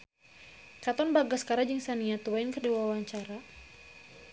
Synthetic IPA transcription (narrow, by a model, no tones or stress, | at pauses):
kat̪ɔnbaɡaskaɾad͡ʒəŋsaniat̪uwaɪnkərdiwawaɲt͡ʃaɾa